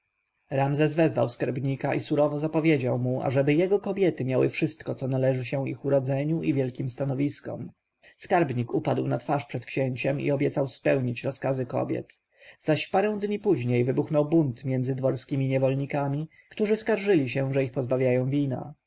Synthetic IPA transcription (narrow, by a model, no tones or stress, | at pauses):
ɾamzɛzvɛzva̰wskaɾbɲikaʔisuɾɔvɔzapɔvʲjed͡ʑawmua̰ʐɛbɘjɛɡɔkɔbʲjɛt̪ɘmʲjawɘ̰fʂɘst̪̚kɔt̪sɔnalɛʐɘɕɛixuɾɔd̪zɛɲuʔivjɛlkʲimst̪anɔvʲiskɔ̰m | skaɾbɲikupad̪wnat̪faʂpʂɛt̪kɕɛɲt͡ɕɛmḭɔbʲjɛt̪sawspɛwɲit͡ɕɾɔskazɘkɔ̰bʲjɛ̰t̪ | z̥aɕpaɾɛ̃w̃d̪ɲipuʑɲejvɘbuxnɔwbunt̪mʲjɛnd̪zɘd̪vɔɾskʲimʲiɲɛvɔlɲikamʲi | kt̪uʐɘskaɾʐɘlʲiɕɛʐɛixpɔzbavʲjajɔ̃w̃vʲina̰